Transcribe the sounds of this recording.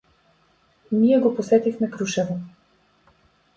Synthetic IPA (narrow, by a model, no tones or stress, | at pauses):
niɛɡoposɛt̪ixmɛkɾuʃɛvo